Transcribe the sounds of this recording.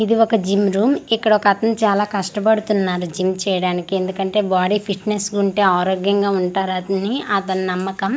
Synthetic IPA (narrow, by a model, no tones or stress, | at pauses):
id̪iokɐd͡ʒimɾuːmikːɐɽɐɔkɐt̪ɐnt͡ʃaːlaːkɐʂʈɐpɐɽut̪unːaːɾud͡ʒimt͡ʃɛːjɐɽaːnikie̞nd̪ukɐɳʈe̞ːbaːɽiːpʰiʈnesɡuɳʈeːaːɾoːɡjɐŋɡaːuɳʈaːɾɐt̪ɐniɐt̪ɐnnɐmːɐkɐm